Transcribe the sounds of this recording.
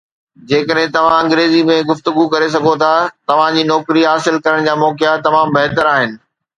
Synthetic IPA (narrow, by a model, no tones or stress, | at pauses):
d͡ʑeːkəɗɦɪ̃t̪ɐʋ̤ãɐ̃ŋɡɾeːzimẽɡʊft̪ʊɡukɐɾes̬ɐɡʱot̪ʰat̪ɐʋ̤ãd͡ʑiːnɔːkɾiɦaːsɪlkɐɾəɽ̃d͡ʑaːmɔːkɪjat̪ɐmãːmbɐɦt̪əɾaːɦɪnɪ̆